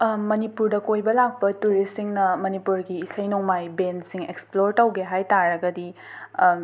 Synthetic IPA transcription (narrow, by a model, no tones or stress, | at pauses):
mɐnipuɾdɐkojbɐlak̚pɐtuɾisiŋnɐmɐnipuɾɡiːsɐjnoŋmajbensiŋeksploɾtɐwɡeɦajtaɾɐɡɐdi